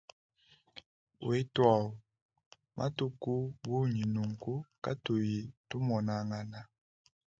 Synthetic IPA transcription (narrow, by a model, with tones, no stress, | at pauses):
we˦twa˦˨u˨ | mʔa̰˦tu˦ku˦bu˦ɲi˨nu˨ŋku˦ka˦to˨ji˨tu˦mɔ˨na˨ŋa˨na˨